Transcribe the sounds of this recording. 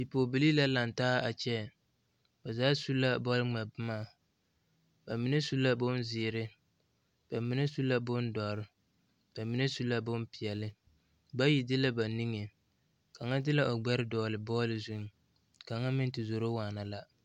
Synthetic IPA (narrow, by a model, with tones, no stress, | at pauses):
bi˨poː˨bi˨li˦la˦la˨ntaː˦a˨t͡ʃɛ˦ | ba˨zaː˨˦su˦la˦bɔ˦lɪ˦ŋ͡ma˨bɪ˦maː˦˨ | ba˨mi˨ne˦su˦la˦bʊ˦nzɪː˨ɾɪ˦ | b̥a˨mi˦ne˦su˦la˦bʊ˦n˦dɔ˨ɾɪ˦ | b̥a˨mi˦ne˦su˦lːa˦bʊ˦npɪ˨ɛ˨lɪ˦ | ba˦ji˨dɪ˦la˦ba˨ni˦ŋe˨ | ka˨ŋa˦dɪ˦la˦ʔo˨ɡ͡bɛ˦ɾɪ˦dɔː˨lɪ˨bɔː˦lɪ˦zu˦ŋ˨ | ka˨ŋa˦mɪ˦n˦tɪ˨zo˨ɾo˦waː˨na˨la˦